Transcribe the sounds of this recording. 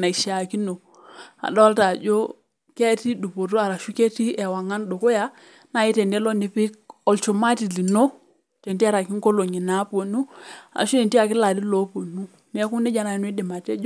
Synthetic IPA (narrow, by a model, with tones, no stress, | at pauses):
na˨i˨ʃa˨ki˦no˨ | a̰˨do˦lta˨d͡ʒo˦ | ke˦ti˦du˨po˨to˦a˨ɾa˨ʃu˦ke˦ti˦e˨wa˨ŋa˦ndo˨ko˦ja˦ | na˦˨ji˦te˨nde˦lo˦ni˨pi˦k̚o˨lt͡ʃo˨ma˦ti˨li˨no˦ | te˨nti˦a˦ɾa˨ki˦ŋko˦lo˨ɲi˨na˦po˨nu˦a̰˨ʃu˦e˨nti˦a˨ki˦la˨di˦lo˦po˨nu˦ | ne˦ku˦ne˦d͡ʒa˦na˨˦n˦e˦di˨ma˨tḛ˦d͡ʒ